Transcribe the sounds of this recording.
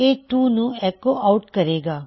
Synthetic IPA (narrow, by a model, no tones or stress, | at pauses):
et̪uːnũɛkoʔaʊʈkɐɾeːɡaː